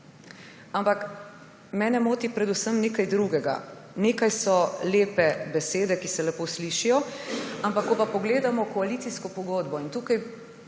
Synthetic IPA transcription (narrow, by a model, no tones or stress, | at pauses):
ampak | mɛːnɛmoːt̪ipɾɛd̪usəmnekajd̪ɾuːɡɛɡa̰ | neːkajsɔleːpɛbɛseːd̪ɛkisɛlɛpoːsliːʃijɔampakːɔpapɔɡleːd̪amɔkɔalit̪siskɔpɔɡoːd̪bɔint̪uːkaj